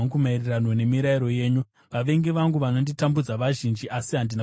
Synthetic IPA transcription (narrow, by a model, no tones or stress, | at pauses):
kumairiranwone̞miɾaiɾo̞je̞ːɲu | ʋaʋe̞ŋɡeʋaŋɡuʋano̞nditambud͡zaʋaʒind͡ʒiʔasiɦandina